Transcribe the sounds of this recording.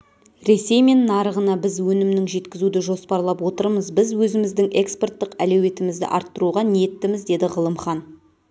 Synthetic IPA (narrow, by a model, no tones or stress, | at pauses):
ɾe̞se̞jme̞nːɑɾəʁənɑbɪzwɵnɪmnɪŋʒe̞t̪kʲɪzud̪ɪʒo̞spɑɾlˠɑpwo̞t̪əɾməzbɪzwɵzɪmɪzd̪ɪŋʔe̞kspe̞rt̪ːəqælewe̞t̪ɪmɪzd̪ɪ̰ʔɑɾt̪ːəɾuʁɑnet̪ːɪmɪzd̪e̞d̪ɪʁəlˠəmχɑn